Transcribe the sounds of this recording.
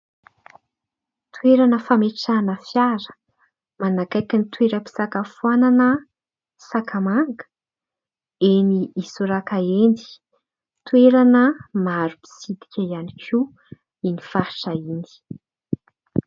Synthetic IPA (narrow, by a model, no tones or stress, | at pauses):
t̪ʰueɾanəfameʈ͡ʂanəfjaɾə̥ | manakajkinit̪weɾəpi̥sakafuananə | sakamaŋɡə̥ | eniisuɾakaend̪i̥ | t̪weɾanəmaɾupi̥sid̪i̥kʲʰaianikʲʰu | inifaɾʈ͡ʂaini̥